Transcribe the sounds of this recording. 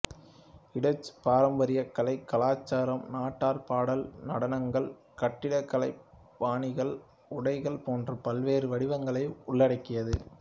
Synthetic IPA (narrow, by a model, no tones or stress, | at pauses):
ɪɽɐt͡ʃːpaːɾɐmbɐɾɪjɐkːɐlɐɪkːɐlaːt͡ʃːaːɾɐmnaːʈːaːɾpaːɽɐlnɐɽɐnɐŋɡɐɭ | kɐʈːɪɽɐkːɐlɐɪ | paːnɪɣɐɭ | ʊɽɐɪɣɐɭpoːndrɐpɐlʋeːɾɯʋɐɽɪʋɐŋɡɐɭɐɪʊɭːɐɽɐɪkːɪjɐðɯ